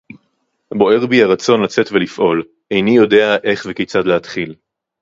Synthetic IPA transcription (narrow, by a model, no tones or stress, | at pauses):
bo̞e̞ʁbiaʁat͡so̞nlat͡se̞tvelifʔo̞l | ejnijo̞de̞aʔe̞χvekejt͡sadleɦat̪χil